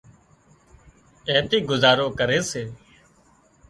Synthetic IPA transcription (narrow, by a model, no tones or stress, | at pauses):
eːt̪iːɡʊzaːɾoːkəɾeːseː